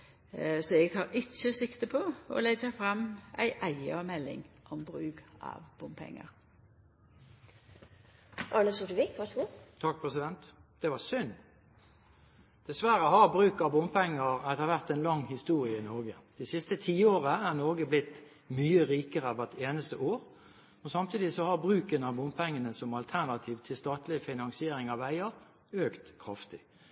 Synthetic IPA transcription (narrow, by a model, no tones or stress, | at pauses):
sɔɛɡt̪ʰɑːɾɪt͡ʃːəsɪkt̪əpʰɔɔ̰lɛɡəfɾɑmʔæ̰ɪʔæɪəɔmɛlːɪ̰ŋʔɔmbɾʉːkɑ̰ʋb̥ʊmpʰɛ̰ŋːə̰ɾ | ʔɑɳəsʊʈəʋikʋæɡʊt̪ʰɑk̚pʰʁɛsɪd̪ɛnt̪d̪̥ɛʋɑɾsʏn | d̪̥ɛsʋæɾəɦɑʁbʁʉːkɑbʊmpʰɛŋːəɾɛt̪əɾʋæʁt̪ɛnlɑŋhɪst̪uːʁɪəɪnɔɾɡəd̪̥æsɪst̪ət̪ʰiːoːʁəæːʁnɔɡəblɪt̪ | myːəʁiːkəɾəʋæt̪eːnəst̪əʔoːʁ | ɔnsɑmt̪ʰiːd̪ɪsɔhɑɾbʁʉːkənɑbʊmpʰɛŋːənəsɔmɑlt̪ʰæʁnɑt̪ʰiːʋt̪ʰɪlst̪ɑːt̪lɪfɪnɑŋsɪeːɾɪŋɑʋæɪəʁ | øːkt̪kʰːʁɑft̪ɪ